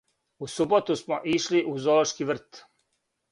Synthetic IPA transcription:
usubot̪usmoʔiʃliʔuzoloʃkiʋr̩t̪

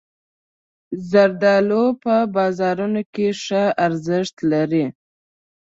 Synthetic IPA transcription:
zaɾd̪ɑlopəbɑzɑɾunokeʂəaɾzɪʂt̪laɾi

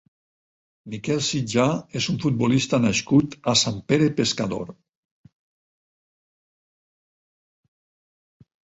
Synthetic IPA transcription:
mikɛlˠsid͡ʒaezuɱfut̪̚bolist̪anaʃkut̪asampeɾepeskaðo̰ɾ

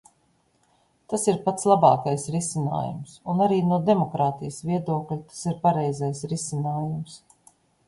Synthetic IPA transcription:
t̪asiɾpat̪slˠabɑːkajsɾisina̰ːjṵmsunaɾiːnuɔd̪ɛmɔkɾaːt̪ijəsviɛd̪uɔklʲit̪ḁsiɾpaɾɛjzɛjsɾisinaːjums

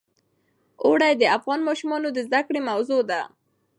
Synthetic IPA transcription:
oɽajd̪əafɣɑnmɑʃumɑnod̪əzd̪akɽemawzod̪a

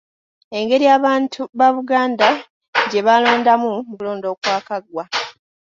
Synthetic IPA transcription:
e̞ŋɡe̞ɾijaːβaːntʰuβaβuɡaːnda | ɟe̞βalo̞ːndamumukulo̞ːndo̞ːkwaːkaɡwa

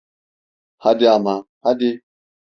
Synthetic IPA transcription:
hadeama | hade

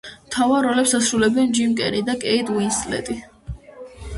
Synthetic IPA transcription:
mt̪ʰavaɾɔlɛpsasɾulɛbɛnd͡ʒimkʼɛ̰ɾid̪akʼɛit̪ʼwinst̪ʼlɛ̰t̪ʼi

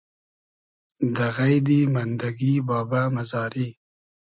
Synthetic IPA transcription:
d̪aɣajd̪imand̪aɡibɑːbamazɑːɾi

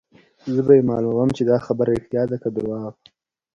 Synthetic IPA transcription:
zəbajemɑlumawəmt͡ʃed̪ɑxabəɾɪxt̪jɑd̪akad̪ʊɾwɑːv

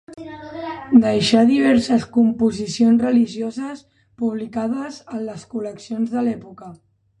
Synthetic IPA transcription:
d̪əjʃaðiβ̞ɛɾsəskumpuzisionzrəliʒiozəs | puβlikaðəzənləskuləksionzðəlɛpukə

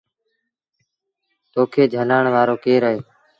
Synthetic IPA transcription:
t̪oːkʰeːd͡ʒʱənaːɳʋaːɾoːkeːɾəɦeː

